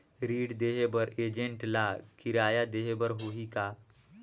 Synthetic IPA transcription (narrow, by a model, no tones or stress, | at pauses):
ɾiːɽd̪eɦebəɾeːd͡ʒẽɳʈlakiɾaːjad̪eɦebəɾɦoika